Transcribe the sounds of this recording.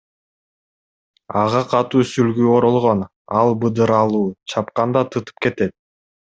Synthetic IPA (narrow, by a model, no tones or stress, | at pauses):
ɑʁɑqʰɑt̪uːsylɡyːo̞ɾolˠʁo̞n | ɑlˠbɯd̪ɯɾɑlˠuːt͡ʃʰɑp̚qɑnd̪ɑt̪ʰɯt̪ɯ̥p̚ke̞t̪e̞t̪̚